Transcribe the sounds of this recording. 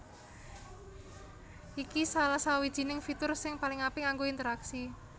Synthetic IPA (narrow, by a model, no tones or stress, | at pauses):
ʔikisalasawid̥ʒ̥i̤nɪŋfit̪ʊrsɪŋpalɪŋapɪŋaŋɡoint̪əɾaksi